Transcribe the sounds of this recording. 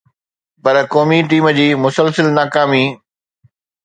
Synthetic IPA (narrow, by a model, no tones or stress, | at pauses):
pɐɾkoːmiʈiːmd͡ʑiːmʊsəlsəlnaːkaːmi